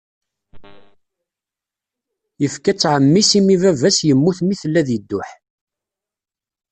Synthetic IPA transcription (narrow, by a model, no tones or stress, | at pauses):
jəfkæt͡sːʕəmːisimivævæsjəmːuθmiθəlːæðəd̪ːʊħ